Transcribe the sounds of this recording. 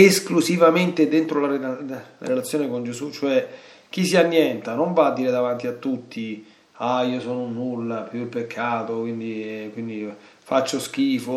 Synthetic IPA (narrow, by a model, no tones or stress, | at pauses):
esklusivament̪ed̪ent̪ɾolaela̰ɾelat̪sːjoːnekond͡ʒesut͡ʃːoɛ | k̟ːisianːjɛnt̪anoɱvaːd̪ːiːɾed̪avant̪iat̪ːut̪ʰːi | aiːosɔːnonːulːapjuipːekʰːaːt̪okwind̪ikwind̪i | fat͡ʃːosk̟iːfo